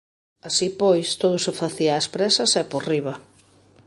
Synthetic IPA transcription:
asipojst̪oð̞ʊsɪfaθiaːspɾɛsɐsɛporiβɐ

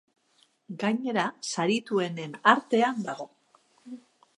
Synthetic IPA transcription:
ɡajɲe̞ɾasaɾit̪ue̞ne̞naɾt̪e̞and̪aɣ̞o̞

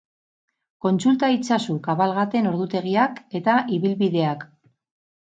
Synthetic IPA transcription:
ko̞nt͡sult̪ait͡sasukaβalɣat̪e̞no̞ɾðut̪e̞ɣ̞iake̞t̪aʔiβilβiðe̞ak

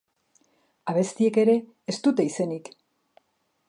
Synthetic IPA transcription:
aβ̞e̞st̪ie̞ke̞ɾe̞ː | st̪ut̪e̞ise̞nik

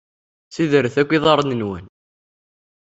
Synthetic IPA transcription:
siðəɾəθækʷːiðˤɑɾˤnənwə̰n

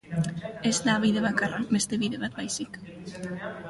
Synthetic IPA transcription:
e̞zt̪aβiðe̞βakarabe̞st̪e̞βiðe̞βat̪bajsik

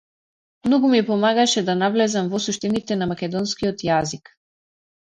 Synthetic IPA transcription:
mnɔɡumipɔmaɡaʃɛd̪anavlɛzamvɔsuʃt̪ɛnit̪ɛnamakʲɛd̪ɔnskiɔt̪jazik

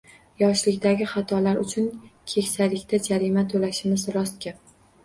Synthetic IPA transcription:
jɒʃlɪkʲd̪aɡʲɪχɑt̪ʰɒlaɾʊt͡ʃʰʊnkʲʰe̞kʲsajlɪkʲt̪ʰad͡ʒaɾimat̪ʰolaʃɪmɪzɾɒst̪̚kʲa

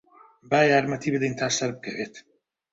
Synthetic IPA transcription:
baːjaːɾmɐt̪ʰiːbəd̪ijnt̪ʰaːsɐɾb̚kʰɐveːt̪

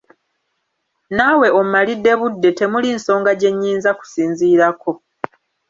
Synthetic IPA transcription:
nawe̞o̞mumalidːe̞βudːe̞te̞mulinso̞ːŋɡaɟe̞ɲːiːnzaku̥siːnziːɾako̞

